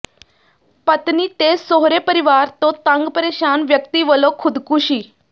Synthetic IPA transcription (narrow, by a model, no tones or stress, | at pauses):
pət̪niːt̪esoɦɾepəɾiʋaɾt̪ot̪ãŋɡpəɾeɕanʋjəkt̪iːʋəlokʰud̪kuɕiː